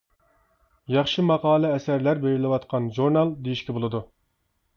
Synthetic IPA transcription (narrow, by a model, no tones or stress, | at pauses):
jɑχʃɨmɑqɑːlˠɛɛsæɾlæɾbeɾɪlɪwɑt̪qʰɑnʒuɾnɑlˠd̪ejiʃkʲɛbolˠɨd̪u